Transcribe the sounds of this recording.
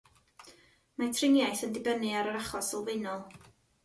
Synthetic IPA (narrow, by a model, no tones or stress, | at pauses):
matʰrɪŋjajθəndɪbənɨaɾəɾaχɔsɪlˠvejnɔlˠ